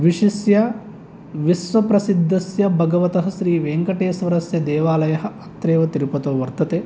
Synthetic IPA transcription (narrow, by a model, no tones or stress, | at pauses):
ʋiʂisjɐ | ʋisʋɐpɾɐsid̪ʱːɐsjɐbʱɐɡɐʋɐt̪ɐɦɐ̆ʃɾiːʋeːŋkɐʈeːsʋɐɾɐsjɐd̪ɛːʋaːlɐjɐɦɐ̆ɐt̪ɾeːʋɐt̪iɾupɐt̪oːʋɐɾt̪ɐt̪eː